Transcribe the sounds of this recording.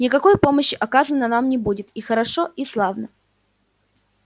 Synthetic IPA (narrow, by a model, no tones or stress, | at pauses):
nʲɪkɐko̞jpo̞məɕːɪʔɐkazənːənamnʲɪbudʲɪt̪ixəɾɐʂo̞ʔislˠavnə